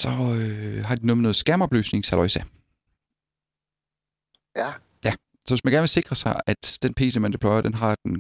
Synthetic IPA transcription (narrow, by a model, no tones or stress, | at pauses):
sɒ̽øɦɑ̈d̥inonɔð̩ˠsɡ̥æɐmɒ̽b̥lø̰ːsne̝ŋsælɒɪsæ | jæ | sɒʋesmænɡ̥æɐnʋe̝se̝ɡ̥ʁɐsɑ̈ɪæd̥d̥enpʰe̝̰ːsəmænd̥e̥pʰlɒɪɐd̥enɦɑ̈d̥en